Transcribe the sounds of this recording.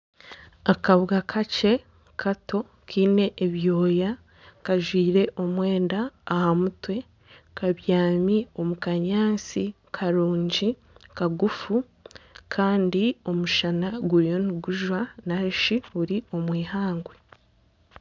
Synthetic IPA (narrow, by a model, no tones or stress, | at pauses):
akaβɡakʰat͡ʃe̞ | kʰato̞ | kiːne̞ʔːβjo̞ːja | kaʒwiːɾe̞ʔo̞mwe̞ːndaːhamutwe̞ | kaβjaːmio̞mukaɲaːnsi | kʰaɾuːɲɟi | kaɡufu | kʰaːndio̞muʃanaɡuɾijo̞niɡuʒwanaɾiʃiuɾio̞mwiːhaːŋɡwe